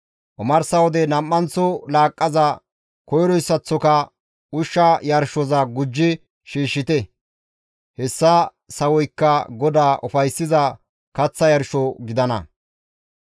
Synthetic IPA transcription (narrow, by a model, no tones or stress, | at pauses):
ʔɔmɐɾsɐwɔd̪ɛnɐmːɐnt͡sːɔlaːkʼːɐzɐ | kɔjɾɔjsːɐt͡sːɔkɐ | ʊʃːɐjɐɾʃɔzɐɡʊd͡ʒːɪ | ʃiːʃːɪt̪ɛ | hɛsːɐ | sɐwɔjkːɐɡɔd̪aːʔɔfɐjsːɪzɐ | kɐt͡sːɐjɐɾʃɔɡɪd̪ɐnɐ̰